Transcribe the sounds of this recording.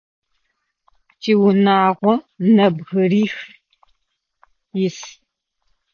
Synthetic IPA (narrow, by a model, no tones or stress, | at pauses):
t͡ʃʼiːwʊnaːʁʷɔnɐbɣɨɾiːx | jɪs